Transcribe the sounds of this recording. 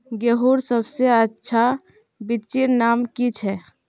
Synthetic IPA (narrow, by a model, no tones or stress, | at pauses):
ɡeɦuɾsəbseətːʃʰa | bit̪t͡ʃiɾnamkit͡ʃʰɛ